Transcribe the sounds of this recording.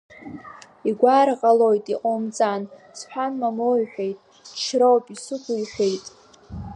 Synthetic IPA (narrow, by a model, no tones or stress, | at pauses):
iɡʷarqʼalo̞jtʼiqʼomt͡sʼan | sħʷᶣanmamojħʷᶣe̞jtʼ | t͡ʃʰrowpʼisɨkʷʰʊiħʷᶣe̞jtʼ